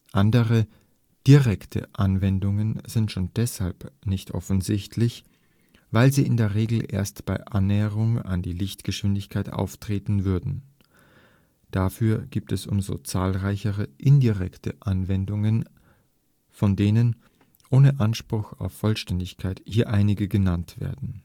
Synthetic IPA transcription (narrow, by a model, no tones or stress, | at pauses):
ʔandəʁə | d̥iʁɛktʰə̰ʔanvɛndʊŋənz̥ɪntʃoːnd̥ɛshalpnɪçtʔɔ̰fn̩zɪçtʰlɪç | vaɪlziːʔɪndeːɐʁ̞eːɡl̩ʔḛːɐstb̥aɪʔanːɛːəʁʊŋa̰ndiːlɪçtɡ̥əʃv̥ɪndɪçkʰaɪtʔa̰ʊftʁ̥eːtn̩vʏɐdn̩ | d̥afyːɐɡ̥iːp̚tɛsʔʊ̰mzo̰t͡saːlʁaɪçəʁəʔɪndiʁɛktʰəʔanvɛndʊŋən | fɔndeːnən | ʔoːnəʔanʃpʁ̥ʊxa̰ʊfːɔlʃtɛndɪçkʰaɪthiːɐʔaɪnɪɡəɡənantv̥ḛːɐdn̩